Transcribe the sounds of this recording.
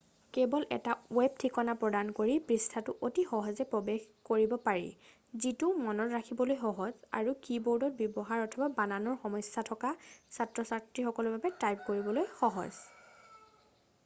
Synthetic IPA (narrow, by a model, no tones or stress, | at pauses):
kɛbɔlʔɛ̰tawɛb̚tʰikɔnapɹɔdankoɹipɹistʰatʊʔotixɔɦɔzɛpɹɔbex | koɹibɔpaɹḭ | zitumɔnɔtɹakʰibɔlojxɔɦɔza̰ɹukibɔɹdɔt̚bjɔbɔɦaɹɔtʰɔbabananɔɹxɔmɔjsːatʰɔkasatɹɔsaktɹixɔkɔlɔɹbabɛtajp̚koɹibɔlojxɔɦɔ̰z